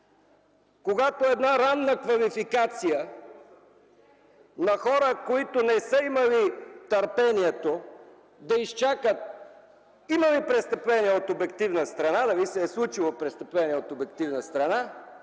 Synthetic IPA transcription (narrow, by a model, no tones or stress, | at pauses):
koɡat̪oɛd̪naɾannəkvɐlifikat̪sijə | nɐxɔɾəkoit̪onɛsəimɐlit̪ɐɾpɛniɛt̪o | d̪ɐist͡ʃakət̪̚ | iməlipɾɛst̪əplɛniɛot̪obɛk̚t̪ivnəst̪ɾɐnad̪ɐvisɛːslˠut͡ʃilˠopɾɛst̪əplɛnʲiɛot̪obɛkt̪ivnəst̪ɾɐna